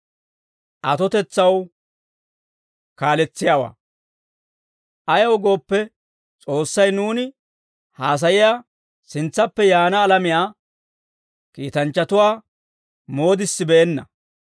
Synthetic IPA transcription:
ʔɐt̪ɔt̪ɛt͡sːɐw | kaːlɛt͡sːɪjaːwa̰ː | ʔɐjɐwɡo̞ːpːɛ | t͡sʼo̞ːsːɐjnuːnɪ | haːs̬ɐjɪjaː | sɪnt͡sːɐpːɛjaːnɐːlɐmɪjaː | kiːt̪ɐnt͡ʃːɐt̪ʊwaː | mo̞ːd̪ɪsːɪbɛːnːɐ̰

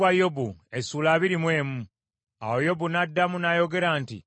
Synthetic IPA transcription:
ajobuesuːlaːβiɾimwe̞ːmu | a̰wo̞jo̞bunadːamunajo̞ɡe̞ɾaːntḭ

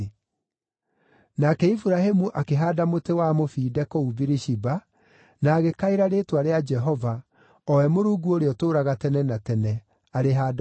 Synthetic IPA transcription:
nakɛifuɾahemuʔakeɦaːdamotewamofiːdɛkoubiɾiʃiba | naːɣekaiɾaɾeːtwaɾead͡ʒɛɦɔva | ɔwɛmoɾuːɡuoɾeɔtoːɾaɣatɛnɛnatɛnɛ | aɾeɦaːd

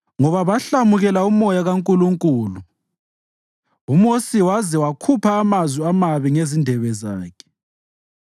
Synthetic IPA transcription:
ŋɔβaβaɬamuɣɛlaumɔjaɣaŋkʼuluŋkʼuːlu | umosiwazɛwakʰupʰaːmazwiamaβiŋezindʱɛβɛza̰ːkʰɛ̥

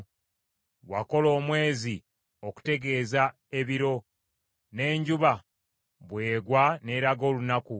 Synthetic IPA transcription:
wa̰ko̞lo̞ːmwe̞ːzi | oku̥te̞ɡe̞ːza | e̞βiɾo̞ | ne̞ːɲɟuβa | βwe̞ːɡwane̞ːɾaɡo̞ːlunaku

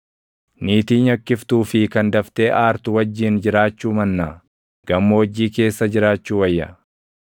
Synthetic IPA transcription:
niːt̪iːɲɐkːɪft̪uːfɪkɐnd̪ɐft̪e̞ːʔaːɾt̪ʊwɐd͡ʒːiːnd͡ʒɪɾaːt͡ʃːuːmɐnːaː | ɡ̥ɐmːowɐd͡ʒːiːke̞ːsːɐd͡ʒɪɾaːt͡ʃːuːwɐjːɐ

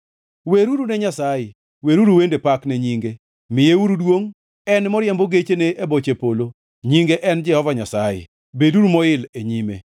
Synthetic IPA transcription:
weɾuɾunɛɲasaje | weɾuɾuwendepakneɲiŋɡe | mɪjeuɾudwoŋ | ɛnmɔɾjɛmboɡet͡ʃeneʔebot͡ʃepolo | ɲiŋɡeʔɛnd͡ʒɛhɔvaɲasajḛ | beduɾumɔɪleɲimḛ

